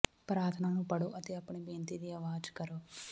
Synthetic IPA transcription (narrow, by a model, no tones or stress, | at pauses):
pɾaːt̪ʰɐnaːlupɐɽuʔɐt̪iɐpːɐɳibeːnt̪id̪iɐʋaːd͡ʒkɐɾu